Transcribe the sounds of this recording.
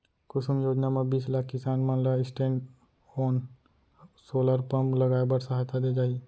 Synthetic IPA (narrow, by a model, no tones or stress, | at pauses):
kʊsʊmjoːd͡ʒnamẽbiːslaːkʰkɪsaːnmə̃nləɪsʈẽːɳɖ | ɔːn | soːləɾpəmləɡaːebəɽsəɦajt̪ʰad̪ed͡ʒaːi